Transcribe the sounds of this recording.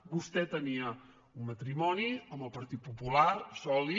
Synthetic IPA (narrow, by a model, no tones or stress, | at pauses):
bust̪ɛt̪əniə | unmət̪ɾimɔniəməlˠpəɾt̪it̪̚pupulaɾsɔli